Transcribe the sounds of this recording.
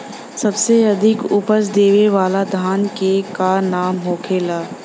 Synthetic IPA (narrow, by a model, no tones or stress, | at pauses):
sɐbseɐd̪ʱɪkʊpəsd̪eːʋeʋaːlad̪ʱaːnkekanaːmɦoːkʰeːlaː